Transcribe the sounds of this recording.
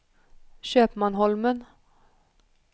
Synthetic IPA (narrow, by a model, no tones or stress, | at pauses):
ɕøːpmanɦɔlmən